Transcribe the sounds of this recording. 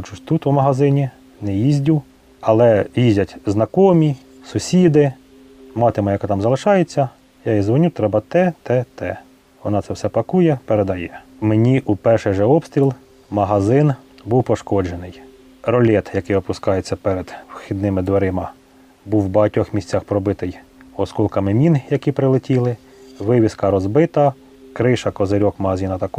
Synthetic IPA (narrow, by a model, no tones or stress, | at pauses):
t͡ʃuʃt̪ut̪ʊmɐɦɐzɪnʲi | nɛjizʲdʲu | ɐlˠɛjizʲdʲɐtʲznɐkɔmʲi | sʊsʲid̪ɪ | mɑt̪ɪmɐjɐkɑt̪ɑmzɐlˠɪʃɑjet͡sʲːɐ | jɑizʋɔnʲut̪ɾɛbɐt̪ɛt̪ɛt̪ɛ | ʋɔnɑt̪sɛwsɛpɐkujɛpeɾed̪ɐjɛ | menʲiʔupɛrʃɛʒɛɔpst̪ʲɾʲilˠ | mɐɦɐzɪnbuwpɔʃkɔd͡ʒenɪj | ɾɔlʲɛt̪jɐkɪjɔpʊskɑjet͡sʲːɐpɛɾed̪̥wxʲid̪nɪmɪd̪ʋeɾɪmɐ | buwbɐɦɐtʲɔxmʲisʲt͡sʲːaxpɾɔbɪt̪ɪjɔskɔlˠkɐmɪmʲinjɐkipɾɪlˠɪtʲilˠɪ | ʋɪʋʲiskɐɾɔzbɪt̪ɐ | kɾɪʃɐkɔzeɾʲɔkmɐɦɐzʲinɐt̪ɐkɔ